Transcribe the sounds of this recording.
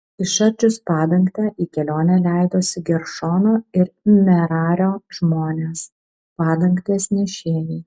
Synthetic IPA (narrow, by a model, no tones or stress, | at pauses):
ɪʃɐɾʲt͡ʃʲʊspɑːd̪ɐŋkt̪ʲɛːʔiːkʲɛlʲoːnʲɛlʲæˑɪd̪oːsʲɪɡʲɛɾʃoːnoːɪɾmʲɛɾɑːɾʲoːʒ̥moːnʲeːs | pɑːd̪ɐŋkt̪ʲeːsʲnʲɪʃʲeːjɛː